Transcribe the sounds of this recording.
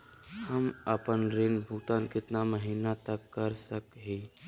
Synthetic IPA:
həməpənɾenbʱut̪ankɪt̪naməɦiːnat̪əkːəɾsəkɦi

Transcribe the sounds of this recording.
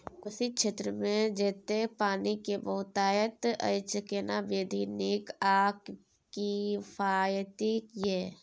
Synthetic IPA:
kʊsikʃʰeːt̪ɾəmẽd͡ʒeːt̪epaːnikebəɦʊt̪aːjət̪ə̰t͡ʃkenabeːd̪ʱinekaːk | kifʰaːjt̪ijɛː

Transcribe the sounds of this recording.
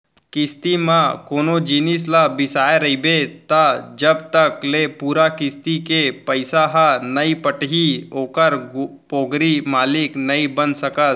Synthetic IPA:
kɪst̪imãkoːnod͡ʒiːnis̬labɪsaːjeɾɐibet̪ad͡ʒəbt̪əklepuːɾakɪst̪ikepəɪsaɦanɐipəʈɦioːkəɾɡpoːɡɾimaːliknəibənsəkət̪

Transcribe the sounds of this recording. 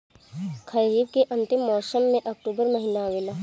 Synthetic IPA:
kʰɐɾiːbkeʔɐ̃nt̪ɪmːɔːsəmːẽʔɐk̚ʈuːbəɾmɐɦinaʋela

